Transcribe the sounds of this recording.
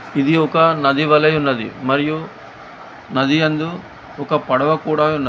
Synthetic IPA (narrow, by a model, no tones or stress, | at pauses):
id̪iɔkɐnɐd̪iʋɐlɐjunːɐd̪ḭmɐɾiju | nɐd̪ijɐnd̪u | ɔkɐpɐɽɐʋɐkuːɽaːunːɐ